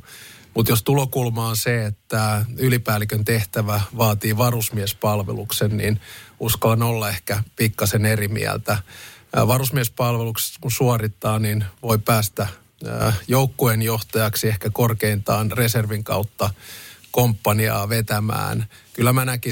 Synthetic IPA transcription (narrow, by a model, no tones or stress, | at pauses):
mut̪jost̪ulokulmɑːnseet̪ːæylipæːlikønt̪eht̪æʋæʋɑːt̪iːʋɑrusmiɛspɑlʋḛluksennḭnuskɑlɑnolːɑehkæpikːɑsenerimḭæ̰lt̪æʋɑrusmiespɑlʋelukse̥kunsuɑrit̪ːɑːninʋo̞ipæːst̪æ̰ | joukːoenjoht̪ɑjɑksiehkækorkeint̪ɑːnreserʋiŋkɑ̰ut̪ːɑkompːɑniɑ̰ːʋet̪æmæ̰ːnkylːæmænæki